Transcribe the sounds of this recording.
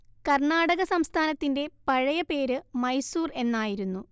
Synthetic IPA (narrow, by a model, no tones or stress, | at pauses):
kɐrɳaːɽɐɣɐsɐmst̪ʰaːnɐt̪ːinde̞pɐɻɐjɐpe̞ːɾɨmɐjsuːre̞nːaːjiɾunːu